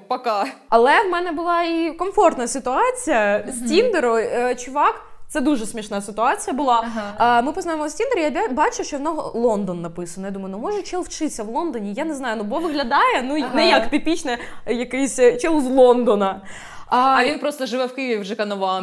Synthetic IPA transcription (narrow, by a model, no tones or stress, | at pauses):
pɐkɑɐlˠɛwmɛnɛbʊlˠɑikɔmfɔrt̪nɐsɨt̪ʊɑt͡sʲijɐsʲtʲind̪eɾʊt͡ʃʊʋɑktsɛd̪uʐɛsʲmʲiʃnɑsɪt̪ʊɑt͡sʲijɐbʊlˠɑmɨpɔznajɪmɔsʲind̪eɾjabʲbɑt͡ʃʊʃt͡ʃɔnɔɦɔlˠɔnd̪ɔnːɐpɪsɐnnjad̪umɐjʊnɔmɔʒɛt͡ʃɛlˠwt͡ʃɪsʲɐʋlˠɔnd̪ɔnʲijanɛznɑjʊnubɔʋɪɦlʲɐd̪ɑjɛnunɛjakpʲɪpʲit͡ʃnɛjɐkɪsʲt͡ʃɛlˠʊzlˠɔnd̪ɔnɐ | ɐɐʋʲinpɾost̪əʐɨʋɛwkɪjʋʲɪwʒɛkɐnɐʋɑ